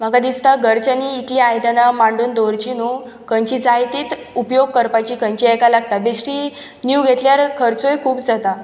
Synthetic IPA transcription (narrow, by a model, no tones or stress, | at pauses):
m̤əɡad̪ist̪aɡəɾt͡ɕaniːt̪liajd̪anamaɳɖuːnd̪oɾt͡ɕinuː | kəɲt͡ɕid͡zajt̪iːt̪ | upjoɡ̚kəɾpat͡ɕiːkənt͡ɕiɛkalaɡt̪abesʈi | njuɡʱet̪ljaɾkʰəɾt͡sojkʰuːpd͡zat̪a